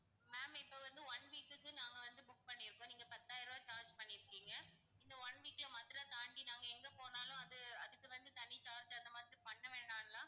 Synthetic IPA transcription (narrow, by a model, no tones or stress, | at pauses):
meːmɪpːoːʋɐnd̪ɯʋɐɳʋiːkːɯkːɯnaːŋɡɐʋɐnd̪ɯbʊkːpɐɳːɪɾɯkːʊ̃niːŋɡɐpɐt̪ːaːjɪɾɐʋaːt͡ʃaːɾd͡ʒpɐɳːɪɾɯkːiːŋɡɐ | ɪnd̪ɐʋɐɳʋiːkːɪɭɐmɐt̪ːɾɐt̪aːɳɖinaːŋɡɐɛŋɡepoːnaːlʊ̃ɐðɯɐðɯkːɯʋɐnd̪ɯt̪ɐɳːit͡ʃaːɾd͡ʒɐnd̪ɐmaːðɪɾipɐɳːɐʋeːɳɖaːnɐlãː